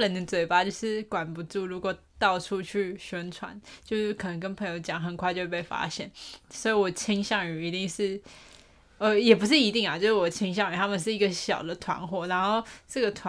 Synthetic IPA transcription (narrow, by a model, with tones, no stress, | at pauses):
lə˨˦nd̪ə˨t͡swe˨˩ɪpa˧˥t͡ɕjo˥˧ʊʂɻ̩˥˩kwa˨˩npu˧˦ʈ͡ʂu˥˩ɻu˧˥kwɔ˨˩ | t̪ɑ˥˩ʊʈ͡ʂʰu˥˧t͡ɕʰy˥˩ɕɥɛ˥nʈ͡ʂʰwa̰˧˦nt͡ɕjo˥˧ʊʂ̩˥˩kʰə˨˩nə˧˥ŋkə˥npʰɤ˧˥ŋjo˧˥ʊt͡ɕjɑ˨˩ŋxə˨˩nkʰwa˥˧ɪt͡ɕjo˥˧wpe˥˩fa̰˥ɕjɛ̰˥˩nswɔ˧˥i˧˥wɔ˨˩t͡ɕʰi˥ŋɕjɑ˥˩ŋy˨˩i˧˥t̪i˥˧ŋʂɻ̩˥˩ | ə˧˦jɛ˨˩p̬u˧˥ʂ̬ɻ̩˥˩i˧˥t̪i˥˩ŋa˨˩t͡ɕjo˥˧ʊʂɻ̩˥˩wɔ˨˩t͡ɕʰi˥ŋɕjɑ˥˩ŋy˨˩t̪ʰa˥mə˨nʂ̬̩˥˩i˧˥ɡə˧ɕjɑ˨˩ʊd̪ə˦t̪ʰwa̰˧˥nxwɔ˨˩ɻa˧˥nxo˥˧ʊʈ͡ʂɤ˥˩ɡə˩t̪ʰwa˧